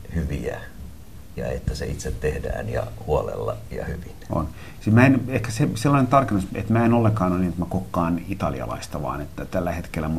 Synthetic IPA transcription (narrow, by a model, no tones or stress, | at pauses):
hyʋiæ | jɑet̪ːæseit̪set̪tehdæ̰ːnjɑhuolelːɑjɑhyʋino̰n | simæenehkæseselːɑnent̪ɑrkenːusḛt̪mæenolːeŋkɑːnɑninet̪mækokːɑːnit̪ɑlḭɑ̰lɑ̰ist̪ɑʋɑ̰ːnet̪ːæt̪ælːæhet̪kelːæmu